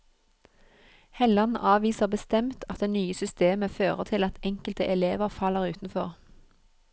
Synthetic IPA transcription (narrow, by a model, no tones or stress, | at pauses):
hɛlɑnʔɑːʋiːsəʁbəst̪ɛmt̪ʰɑt̪̚d̪eːnyːəsʏst̪eːməføːʁət̪ʰɪlɑt̪ɛŋkəlt̪əʔɛleːʋəʁfɑləʁʉːt̪n̩fɔʁ